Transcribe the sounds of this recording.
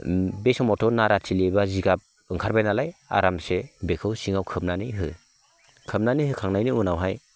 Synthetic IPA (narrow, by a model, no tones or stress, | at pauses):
besɔmɔtʰɔnaɾatʰilebaziɡap̚ | ɯŋkʰaɾbajnalaja̰ɾamsebekʰɯwsiŋawkʰɯp̚nanijɦɯ̰ | kʰɯm̚nanihɯkʰaŋnajniunawɦaj